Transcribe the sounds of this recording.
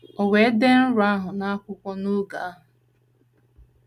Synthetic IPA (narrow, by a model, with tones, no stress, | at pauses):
o˨we˨˦de˦n̩˦ɾʊ˨˦a˦ɦʊ˨na˦kʷʊ˦kʷɔ˦nu˦ɡa̰˨a˦ɦʊ˨